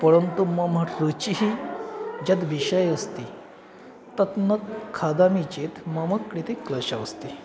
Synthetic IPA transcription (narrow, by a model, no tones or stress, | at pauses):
pəɾəɳt̪uməmaʈɾət͡ɕiɦi | d͡ʑat̪ʋiɕəjəst̪i | t̪ət̪nəkkʰːad̪amit͡ɕet̪məməkːɽit̪ekləɕaəst̪i